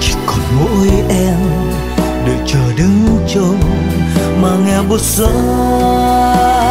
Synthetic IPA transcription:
t͡ɕi̥˨˦kɔ˨˩nmo˧˥jʔɛ˧m | ɗe˨˩t͡ɕəː˨˩ɗɨ˨˦ŋu˧˦t͡ɕə˧ŋ | maː˨˩ŋɛ˧ɓo˧˩t̚z̥ə˧˦

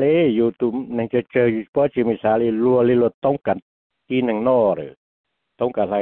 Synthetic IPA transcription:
le˦ju˧t̪u˧nɛ˧ŋt͡ʃə˧t͡ʃə˧ju˧pɔ˧˦t͡ʃi˧˨mi˧˨saː˨˧˦li˧lu˧ə˧li˧lu˧t̪ɔ˦ŋka˨n | ki˦nɛ˧ŋnɔ˧ɾə̰˨ | t̪ɔ˧˦ŋka˨la˧

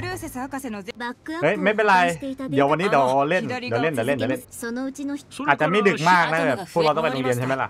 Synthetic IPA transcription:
bakːhɤ˦˥jme˦˥be˧la˧j̪di˩˦əwa˧nːiː˦˥d̪ːle˥˩ndːwle˥˩ndiː˨˩˦le˥˩nt͡ɕa˩˦le˥˩nsonoɯt͡ɕinaː˨˩t͡ɕa˨˩ma˥˩dɯ˨˩k̚maaː˥˩k̚na˦˥˧bɛː˨˩pʰːu˥˩k̚lt̪pe˧nlo˧ŋli˧ənt͡ɕʰa˥˩ma˦˥la̰˨˩ʔ

